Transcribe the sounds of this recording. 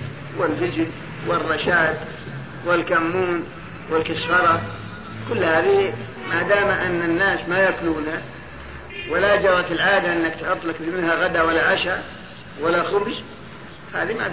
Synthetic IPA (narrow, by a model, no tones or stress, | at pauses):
wɪlfɪd͡ʒɪn | wɪrˤːɑʃaːt̪ | wɪlkamːuːn | wɪlkɪsfɑɾˤɑ | kʊlːhaːði | mad̪aːmʔɪnːanːaːsmajakluːna | wɪlad͡ʒɑɾˤɑt̪ɪlʕaːd̪aʔɪnːakt̪ħʊt̪ˤːlakfmɪnhaɣad̪awalːaʕaʃa | walːaxʊbd͡ʒ | fhaːðima̰